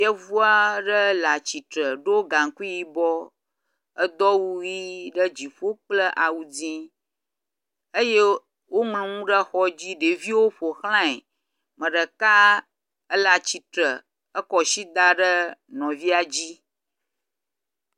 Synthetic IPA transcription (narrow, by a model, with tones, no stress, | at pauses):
ɛ˦vu˦a˦ɖə˦la˨t͡ɕi˨t̪ɾə˨ɖo˦ɡa˨ŋ˨ku˦ji˦bɔ˦ | ə˦d̪ɔ˦wu˦ji˦ɖə˦d͡ʑi˨ɸo˦k͡plə˦ʔa˨wu˨d͡zĩ˦ | ə˦je˦ | wo˦mlũ˨ŋũ˦ɖə˦xɔ˦d͡ʑi˦ɖe˨vi˦wo˦ɸo˨xl̃ã˦e˨ | mə̃˨ɖə˨ka˦ | ə˦la˨t͡ɕi˨t̪ɾə˨ | ə˦kɔ˨ʃi˦d̪a˦ɖə˦nɔ̃˨vi˦a˨d͡ʑi˦